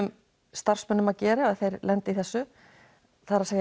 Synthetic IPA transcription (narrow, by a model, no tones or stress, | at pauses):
ʏm | st̪ar̥smœnːʏmaðcɛːɾaaðθejɾlɛnt̪ɪiθɛsːʏ | θaɾasaɣ